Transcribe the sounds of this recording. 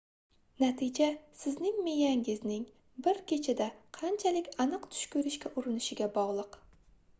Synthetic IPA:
nat̪ʰɪd͡ʒasɪznɪŋmejaŋɪznɪŋ | bɪɾkʲet͡ʃʰad̪aqʰɑnt͡ʃʰalɪkʲanɨqt̪ʰʊ̥ʃkʲɵɾɪʃkʲaʔʊɾɪnɪʃɪɡʲabɒʁlˠɨq

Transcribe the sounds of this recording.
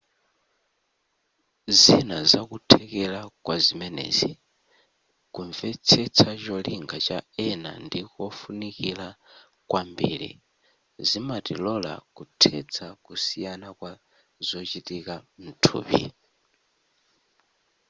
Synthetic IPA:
zinazakutʰɛkɛlakwazimɛnɛ̰zi | kuɱvɛt͡sʰɛt͡sʰat͡ʃɔliŋɡat͡ʃaɛna̰ndikɔfunikila | kwambiːɾḭ | zimatilɔla̰kutʰɛt͡sʰakusijanakwa | zɔt͡ʃitikam̩tʰṵːpḭ

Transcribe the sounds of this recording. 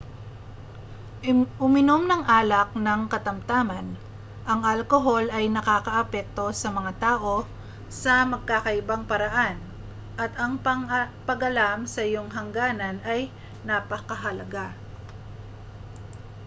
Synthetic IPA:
ʔʊmɪno̞mnɐŋʔaːlɐk̚nɐŋkɐt̪ɐmt̪aːmɐn | ʔɐŋɐlkoɦo̞lɐjnɐkaːkɐʔɐpɛk̚t̪o̞sɐmɐŋat̪aːʔo̞ | sɐmɐɡ̚kakɐʔɪbaŋpɐɾɐʔan | ʔɐt̪ɐŋpɐŋpɐɡʔɐlamsɐʔɪjo̞ŋɦɐŋɡaːnɐnɐj | nɐpɐkɐɦɐlɐɡa

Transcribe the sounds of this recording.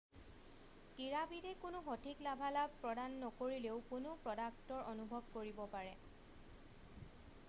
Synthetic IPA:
kiɹabidɛkʊnʊxotʰiklabʱalab̚pɹɔdanːɔkoɹileʊkʊnʊpɹɔdak̚tɔɹʔonubʱɔb̚koɹibɔpaɹɛ

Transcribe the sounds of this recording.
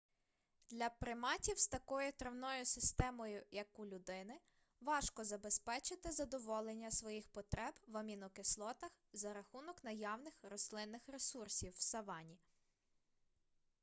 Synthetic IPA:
d̪̥lʲɐpɾɪmɑtʲiwst̪ɐkɔjʊt̪ɾɐwnɔjʊsɪst̪ɛmɔjʊjɐkʊlʲʊd̪ɪnɪ | ʋɑʃkɔzɐbe̞spɛt͡ʃɪt̪ɪzɐd̪ɔʋɔlˠenʲːɐsʋɔjixpɔt̪ɾɛbʋɐmʲinɔkeslˠɔt̪ɐxzɐɾɐxunɔknɐjɑwnɪxrɔslˠɪnːɪxɾesursʲiwːsɐʋɑnʲi

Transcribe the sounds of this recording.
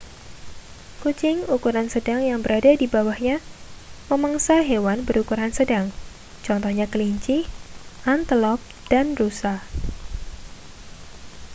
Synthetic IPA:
kut͡ʃɪŋukuɾansədaŋjaŋbəɾadadibawahɲaməmaŋsaɦewanbəɾukuɾansədaŋ | t͡ʃɔnt̪ɔhɲakəliɲt͡ʃɪhʔant̪əlɔp̚ | d̥anrusa

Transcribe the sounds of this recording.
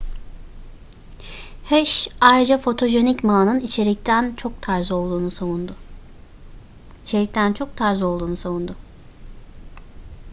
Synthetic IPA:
hɛʃajɾɯd͡ʒafo̞t̪ʰo̞ʒe̞nicmaːnɯnit͡ʃʰeɾit̪ʰænt͡ʃʰo̞k̚t̪ʰaɾzɯo̞lˠd̪uːnusavund̪ʊ | it͡ʃʰe̞ɾʲict̪ʰænt͡ʃʰo̞k̚t̪ʰaɾzɯo̞lˠd̪uːnusavund̪ʊ

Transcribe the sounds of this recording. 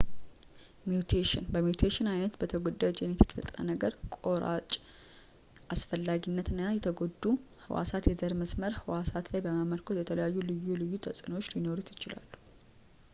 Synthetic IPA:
mjut̪ʰeʃɪnbəmjut̪ʰeʃɪnajnət̪bət̪ʰəɡod̪əd͡ʒɛnjɛt̪ʰə̥kʼlə̰t̪ʼɾə̰nəɡəɾkʼo̞ɾa̰t͡ʃʼ | ʔasfəlːaɡinːət̪ɨnːajɛt̪ʰəɡod̪ːu | hɨ̰wa̰sat̪jɛzəɾməsməɾhɨwasat̪lajbəmaməɾkʰot̪jɛt̪ʰələjajːulɨjːulɨjːut̪ʰəsʼɨno̞t͡ʃːlino̞ɾut̪jɪt͡ʃɪla̰lːu̥

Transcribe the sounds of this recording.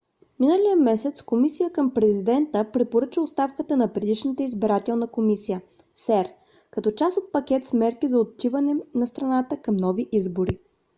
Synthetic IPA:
minəlijəmɛsɛt̪skomisijəkəmpɾɛzid̪ɛnt̪əpɾɛpoɾɤt͡ʃəost̪afkət̪ənɐpɾɛd̪iʃnət̪əizbɛɾat̪ɛlˠnəkomisijə | sɛɾ | kɐt̪ɔt͡ʃasot̪̚pɐk̟ʲɛt̪smɛɾkizɐot̪ːivɐnɛnɐst̪ɾɐnat̪əkɐmnɔviʔizboɾi

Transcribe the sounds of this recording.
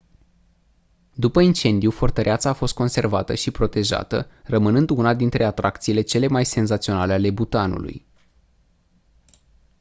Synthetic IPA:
d̪upəint͡ʃe̞nd̪ijufo̞rt̪əɾʔeat̪saːfo̞st̪̚ko̞nse̞rvat̪əʃipɾo̞t̪e̞ʒa̰t̪ə̰rəmɨnɨnd̪unad̪int̪ɾe̞at̪ɾʔak̚t̪siːle̞t͡ʃe̞le̞majse̞nzat̪sio̞nale̞ale̞but̪anṵlṵj

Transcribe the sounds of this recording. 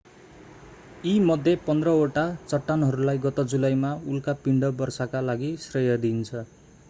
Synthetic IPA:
imʌd̪ʱjepʌnd̪rʌoʈat͡sʌʈːanɦʌɾulajɡʌt̪ʌd͡zulajmaulkapiɳɖʌbʌrsakalaɡisrʌjʌd̪int͡sʰʌ

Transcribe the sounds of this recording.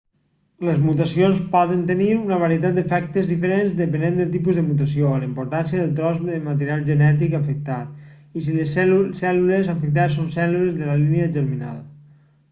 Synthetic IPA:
ləzmut̪asionspɔðənt̪əniɾunəβ̞aɾiət̪at̪̚d̪efɛk̚t̪əzðifəɾenzd̪əpənend̪əlˠt̪̬ipuzðəmut̪̬as̬ioələimpuɾt̪ansjəðəlˠt̪ɾɔzmeðəmat̪əɾialˠʒənɛt̪̬ikafək̚t̪at̪̚ | is̬iləssɛlulezafək̚t̪̬asonsɛlulezðəlaliniəʒəɾmina̰lˠ

